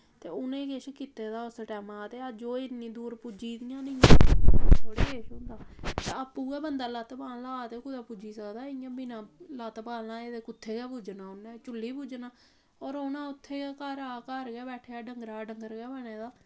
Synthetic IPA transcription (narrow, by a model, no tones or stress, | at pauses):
t̪eːʊnẽːkeʃkiːt̪eːd̪aːʊsʈɛːmãːt̪eːəd͡ʒoːɪnːĩːd̪uːɾpud͡ʒiːd̪ɪjãːnɪ̃ãːoːɽeːkeːʃʊ̃nd̪aːt̪eəpːuːɡɛːbənd̪aːlaːt̪paːllaːt̪eːkʊd̪aːpʊd͡ʒiːsəkd̪aːɪjãːbɪnãːlaːt̪paːlnaːeːd̪eːkʊt̪ʰːeːɡɛːpʊd͡ʒnaːʊnẽːt͡ʃʊlːiːpud͡ʒnaː | ɔːɾonãːʊt̪ʰːeːɡɛːkəɾaːkəɾɡɛːbɛːʈʰeːaːɖəŋɡɾaːɖəŋɡəɾɡɛːbɛːɽeːd̪aː